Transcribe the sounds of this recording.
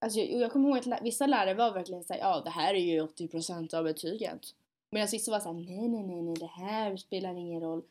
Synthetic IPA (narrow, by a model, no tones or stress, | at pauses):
ʔals̬ɔjjṵːjɑːkʰɔmːəɾɦoːɡat̪lævɪsːalæːɾaɾvaɾvæɾklɪɡənsæ̰ːɾjɑːd̪ɛɦæːɾæɾjɵɔt̪ːɪpʰɾʊsɛnt̪ɑvbɛt̪ʰyːɡə̰n | meːnansvɪsːɔvasæːɾnɛjnɛnɛnɛd̪ɛhæːɾspeːlaɾɪŋːənɾɔlː